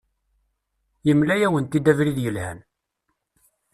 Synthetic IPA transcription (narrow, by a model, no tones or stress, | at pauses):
jəmlæjæwənt̪id̪ævɾiðjəlhæ̰n